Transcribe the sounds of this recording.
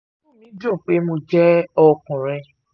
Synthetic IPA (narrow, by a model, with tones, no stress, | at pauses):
ũ˦˨nĩ˨˦do˦˨k͡pe˨˦mo˧d͡ʒɛ˦ɔ˧kũ˨ɾ̃ɛ̃˧